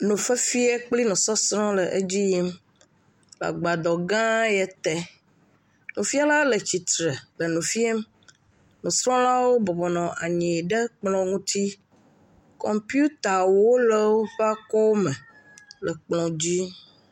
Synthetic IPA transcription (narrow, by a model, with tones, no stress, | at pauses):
nũ˨fə˦fi˦e˦k͡pli˦nɔ̃˨sɔ˦sɾɔ̃˦lə˨ʔe˦d͡ʑi˦ji˦m | la̰˨ɡ͡ba˨d̪ɔ˨ɡã˦jɛ˨t̪ɛ˦ | nũ˨fi˦a˦la˦lə˨t͡ɕi˨t̪ɾe˨lə˨nũ˨fi˦e˦m | nũ˨sɾɔ̃˦la˦wo˦bɔ˨bɔ˨nɔ̃˨ʔa˨ɲĩ˨ɖə˦k͡plɔ̃˦ŋũ˦t̪i˦ | kɔ˨mpju˦t̪a˨wo˦lɛ˦wo˦ɸa˦kɔ˦mɛ˨ | lɛ˨k͡plɔ̃˨d͡ʑi˦